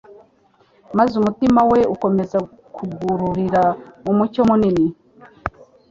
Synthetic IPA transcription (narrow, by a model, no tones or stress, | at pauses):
mazumutimawe̞uko̞me̞za | kʰuɡuɾuɾiɾaumucomunini